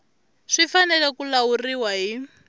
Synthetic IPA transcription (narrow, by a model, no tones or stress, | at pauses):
ʂifanɛlɛkulauriwaɦi